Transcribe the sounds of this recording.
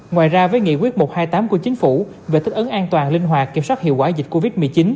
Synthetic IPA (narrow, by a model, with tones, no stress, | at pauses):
ŋwaː˨˩jzaː˧vəː˨˦jŋḭ˧˨kwi˦˥ət̚mo˨˩t̚haː˧jt̪aː˨˦mku˧˩ət͡ɕi˨˦ŋ̟fu˧˩ | ve˨˩t̪i˦˥k̟ʔə˨˦ŋʔaː˧nt̪waː˨˩nlï˧ŋ̟ɦwaː˨˩t̚kːḭ˧˩əmswaː˦˥t̚hḭ˧˨əwkwaː˧˩zï˨˩k̟̚ko˧vi˦˥t̚mɨ˨˩əjt͡ɕi˨˦n